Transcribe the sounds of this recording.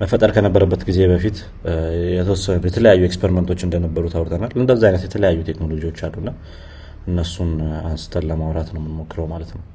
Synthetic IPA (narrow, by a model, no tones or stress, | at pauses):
məfət̪ʼəɾkʰənəbːəɾəbːət̪ɡize̞βəfit̪ | jɛt̪ʰəwɔsːənjɛt̪ʰələjajːuekspʰeɾiment̪ʰo̞t͡ʃːɨnd̪ənəbːəɾut̪ʰawɾt̪ʰənalɨnd̪əzːaajnət̪jɛt̪ʰələjajːut̪ʰe̞kno̞lo̞d͡ʒiwo̞t͡ʃːalːunːa | ʔɨnːəsːunansɨ̥t̪ʰʼəlləmawɾat̪nəwmɨnmo̞kːɨɾəwmalət̪nəw